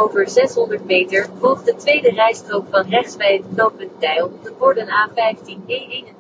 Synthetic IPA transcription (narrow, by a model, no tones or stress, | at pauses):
owvəɹzɛsɦɔndəɹtmejtəɹvɔlˠχ̚dətʋejdərɛjstrokfɑnrɛχsbɛjɦətklowpəntɛjlˠtəvɔɹdənaːfɛjftinejdin